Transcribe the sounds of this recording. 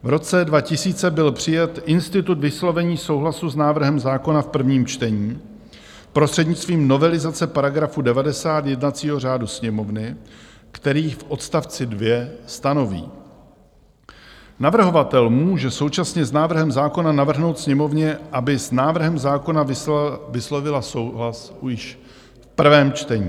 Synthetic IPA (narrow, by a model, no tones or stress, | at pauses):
vɾo̞t͡sɛdvacɪsiːt͡sɛbɪlpr̝̥ɪjɛt̪ʔɪnst̪ɪt̪ut̪vɪslo̞vɛɲiːso̞wɦlasuznaːvr̩ɦɛmzaːko̞nafpr̩vɲiːmt͡ʃt̪ɛɲiː | pɾost̪r̥ɛdɲɪt͡st̪viːmno̞vɛlɪzat͡sɛpaɾaɡɾafudɛvadɛsaːt̪jɛdnat͡siːɦo̞r̝aːdusɲɛmo̞vnɪ | kt̪ɛɾiːfʔo̞t̪st̪aft͡sɪdvjɛst̪ano̞vḭː | navr̩ɦo̞vat̪ɛlmuːʒɛsowt͡ʃasɲɛznaːvr̩ɦɛmzaːko̞nanavr̩ɦno̞wt̪sɲɛmo̞vɲɛʔabɪsnaːvr̩ɦɛmzaːko̞navɪslo̞vɪlasowɦlasjɪʃ | fpr̩vɛːmt͡ʃt̪ɛɲiː